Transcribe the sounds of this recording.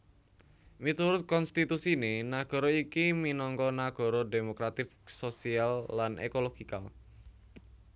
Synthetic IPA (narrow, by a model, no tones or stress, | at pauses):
mit̪uɾʊt̪̚kɔnst̪it̪usinenaɡ̥ɔ̤ɾɔikiminɔŋkɔnaɡ̥ɔ̤ɾɔdemokɾat̪ɪfsosialːanʔḛkoloɡ̥ika̰l